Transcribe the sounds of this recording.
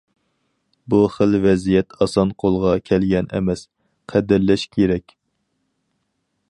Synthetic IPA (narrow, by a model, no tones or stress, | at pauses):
buχəlvɛzijɛt̪ʰɑsɑnqʰolˠʁɑkʲʰɛlɡʲɛnʔɛ̰mɛs | qʰæd̪ɪɾlɛʃkʲʰeɾɛkʲ